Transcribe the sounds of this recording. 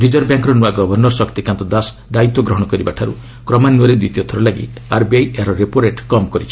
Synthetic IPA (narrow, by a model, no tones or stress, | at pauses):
ɾid͡ʒɔɾbjaŋkɾɔnuaɡɔbʱɔɾnɔɾsɔkt̪ikãnt̪ɔd̪as | d̪ait̪wɔɡɾɔɦɔɽ̃ɔkɔɾibaʈʰaɾṵ | kɾɔmanuɔɾed̪it̪iɔt̪ʰɔɾɔlaɡḭ | aɾbiajaɾɔɾepoɾeʈkɔmkɔɾit͡ʃʰi̥